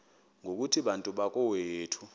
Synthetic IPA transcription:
ŋok̬utʰiɓantʼuɓak̬ʼɔweːtʰu̥

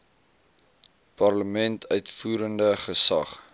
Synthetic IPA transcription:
pɐrləmɛntʰœɥtfuːɾəndəχəsɐ̰χ

